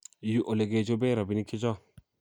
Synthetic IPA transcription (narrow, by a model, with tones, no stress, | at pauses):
ju˦ʔo˨le˨ɡe˨d͡ʒo˦be˦ɾa˨bi˨ni˦kʰi˦d͡ʒɔ˦